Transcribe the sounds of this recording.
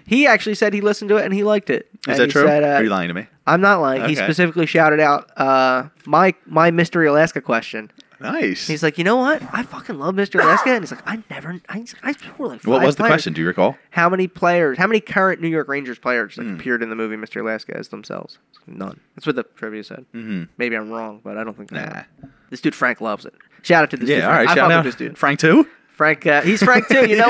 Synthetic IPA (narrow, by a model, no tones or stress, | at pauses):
hiæk̚t͡ʃʉl̩ˠisɛd̚ilɪsn̩tɨɪɾɨ̃nilaɪk̚tɪt̚ɨ̃zɨtiɹ̥ʉɛɾʌjɨlã̰ɪ̃tʰɨmi | ʔãɪ̃mnətˡlãɪ̃ispɨsɪfɨkliʃaʊɾɨɾaʊt̚ʌmaɪmaɪmɪstə˞əlæskɨkʰw̥ɛst͡ʃɨ̃n | naɪshizlaɪkjɨñoʊwʌt̚aɪfʌkɨ̃nlʌvmɪstə˞ɨlæskɨɨ̃nhizlaɪaɪnɛvə˞aɪakaɪfɔɹlaɪkfwʌt̚wʌzðɨlkwɛt͡ʃɨ̃ndɨjɨ̰ɹɨkʰɔ̰lˠhaʊmɛñipʰl̥eɪə˞z̥haʊmɛnikʰɜ˞ɨ̃nːʉjɔɹkɹẽɪ̃nd͡ʒə˞z̥pʰl̥eɪə˞ʌ̥slaɪɨpʰɪɹɾɨ̃nðɨmʉvimɪstə˞ɨlɛskɨ̰ɨ̰zð̃m̩sɛ̰lˠvz̥ | ɪnʌ̰̃nðætswʌt̪̚ðɨtʰɹ̥ɪvjʉsɛ̰d̩̚m̥m̩meɪbiãɪ̃mɹɔ̃ŋb̥ʌɾaɪɾõʊ̃nθɪ̃kæ̰ | ðɨstʉd̩fɹæ̃ŋklʌvzɨ̰t̚ | ʃaʊɾɨtʰɨðɨjæʉɔaɪaʃɪaɨstʉ̰dⁿn̩fɹæ̃ŋk̚tʰʉ | fɹæ̃ŋkʌhiz̥fɹæ̃ŋk̚tʰʉjɨnoʊ